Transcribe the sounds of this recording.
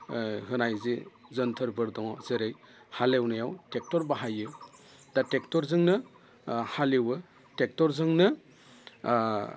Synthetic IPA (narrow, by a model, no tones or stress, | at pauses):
ɦɯnajzezɯntʰɯɾbɯɾdɔŋzeɾej | halewnajawtek̚tɔɾbaɦajɯ | datek̚tɔɾzɯŋnɯ | haliwɯ | tek̚tɔɾzɯŋnɯ